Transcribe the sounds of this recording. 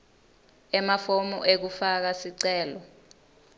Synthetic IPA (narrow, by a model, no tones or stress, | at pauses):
ɛmafomɔ̰ʔek̬ufak̬asiǀɛːlɔ